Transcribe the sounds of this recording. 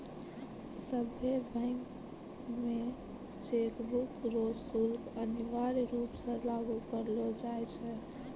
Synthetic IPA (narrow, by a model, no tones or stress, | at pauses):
səbʱebʱəɪŋk | me | t͡ʃekbukɾosulkəniʋaɾɾupsə̃laɡukəɾlɔd͡ʒajt͡ʃʰɛ